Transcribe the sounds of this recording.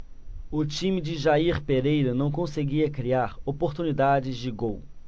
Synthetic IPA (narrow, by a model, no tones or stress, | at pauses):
ʊt͡ʃĩmɪd͡ʒɪʒaiɾpeɾejɾɐnɐ̃w̃kõseɡiɐkɾiaɾopoɾt̪unid̪ad͡ʒɪzd͡ʒɪɡow